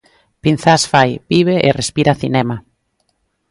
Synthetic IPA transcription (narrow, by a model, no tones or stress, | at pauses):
pin̟θasfajbiβ̞eʔḛrespiɾaθinɛma